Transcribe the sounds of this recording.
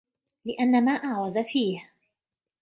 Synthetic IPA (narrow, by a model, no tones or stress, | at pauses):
lɪʔanːamaːʔaʕwazafiːh